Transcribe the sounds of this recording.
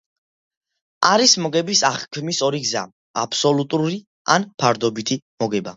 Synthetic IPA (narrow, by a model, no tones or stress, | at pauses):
aɾismɔɡɛbisaχkʰmisɔɾiɡza̰ | apʰsɔlut̪ʼuɾi | anpʰaɾd̪ɔbit̪ʰimɔɡɛba